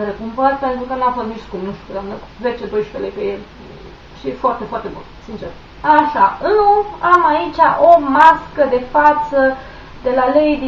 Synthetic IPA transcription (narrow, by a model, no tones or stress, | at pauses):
ɾekumpərpe̞nt̪ɾukənuafost̪mit͡ʃskut̪nuʃt̪ʲukəd̪amnəve̞t͡ʃed̪o̞jʃu̥pelejpejel | ʃifoart̪e̞foart̪ebṵnsint͡ʃer | aʃaɨuamait͡ʃʲaʔomaskəd̪e̞fat̪sə | d̪e̞lalejd̪i